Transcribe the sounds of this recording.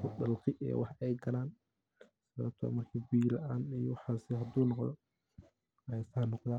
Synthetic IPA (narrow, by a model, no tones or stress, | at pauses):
kʰʊɖɐlqɪʔɛ̰ːwʔɑħɛjɡɐlaːn | sɐβɐ̰ːb̚t̪ʰɔ̰ːmɐrkʰiːbiːlɐʔaːnijɔwɑħaːsɪɦɐd̪uːnɔqðɔ̰ | ɐɛːsɐɦɐnɔqða